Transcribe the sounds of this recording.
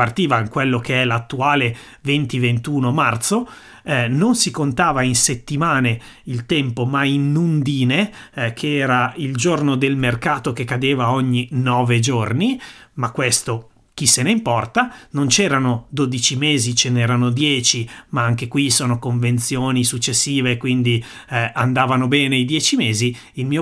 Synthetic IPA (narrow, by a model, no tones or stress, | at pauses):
part̪iːvaiŋkwelːokeɛlat̪ːuaːle | vent̪ivent̪uːnomart̪so | nonsikont̪aːvainset̪ːimaːne | ilt̪ɛmpomainːund̪iːne | kʰeɛːɾaild͡ʒornod̪elmerkaːt̪ok̟ekːad̪eːvaoɲːinɔːved͡ʒornimakːwest̪o | k̟isːeneimpɔrt̪anont͡ʃɛːɾanod̪oːd̪it͡ʃimeːzit͡ʃenɛːɾanod̪jɛːt͡ʃimaaŋk̟ekwisoːnokoɱvent̪sjoːnisut͡ʃːesːiːvekwind̪i | and̪aːvanobɛːneid̪jɛːt͡ʃimeːzi | ilmiːo